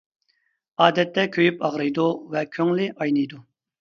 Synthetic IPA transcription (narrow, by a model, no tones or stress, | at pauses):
ɑːd̪ɛt̪ʰːɛkʲʰøjypɑʁɾɨjd̪uvɛkʲʰøŋlɪʔɑjnɨjd̪u